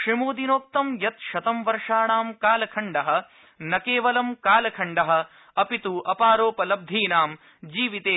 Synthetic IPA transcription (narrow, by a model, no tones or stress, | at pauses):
kʂimuːd̪inoːk̚t̪ɐmjɐt̪ʃɐt̪ɐmʋɐɾʂaːɳaːmkaːlɐkʰɐɳɖɐɦɐ̆ | nɐkeːʋɐlɐmkaːlɐkʰɐɳɖɐɦɐ̆ | ɐpit̪uʔɐpaːɾoːpɐlɐb̚d̪ʱiːnaːm | d͡ʒiːʋit̪eː